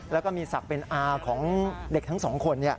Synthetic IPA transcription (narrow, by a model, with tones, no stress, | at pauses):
lɛː˦˥wkɔː˥˩miː˧sa˨˩k̚pe˧nʔaː˧kʰɔː˩˦ŋde˨˩k̚t̪ʰŋsɔː˩˦ŋkʰo˧nːi˥˩ɐ